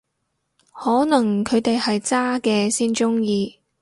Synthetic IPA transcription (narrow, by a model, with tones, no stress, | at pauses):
hɔː˨˥nɐ˨˩ŋkʰɵ˨˧ɥt̪e˨jhɐ˨jt͡saː˥kɛː˧siː˥nt͡ʃʊ˥ŋjiː˧